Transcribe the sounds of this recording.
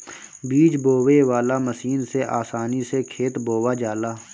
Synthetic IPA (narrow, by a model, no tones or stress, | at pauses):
biːd͡ʒboːweʋaːlaːməsiːnseʔaːsaːnisekʰeːt̪boːwaːd͡ʒaːlaː